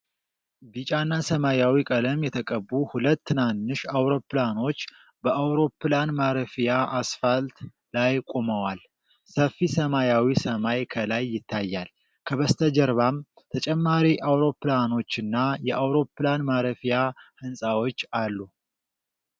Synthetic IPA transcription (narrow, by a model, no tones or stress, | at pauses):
bit͡ʃʼanːasəmajawikʼələmjɛt̪ʰəkʼəbːuhulət̪ːɨnanːɨʃawɾo̞plano̞t͡ʃː | bəʔawɾo̞planmaɾəfijaʔasfalt̪ | lajkʼo̞məwal | səfːisəmajawisəmajkʰəlajːɪt̪ʰːajːal | kʰəβəst̪ʰəd͡ʒɛɾβam | t̪ʰət͡ʃʼɛmːaɾiʔawɾo̞plano̞t͡ʃːɨnːajɛʔawɾo̞planmaɾəfijahɨnsʼawo̞t͡ʃːalːu